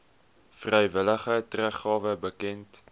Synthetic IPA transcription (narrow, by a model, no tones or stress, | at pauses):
frɛjvələχətræχːɑːvəbəkɛnt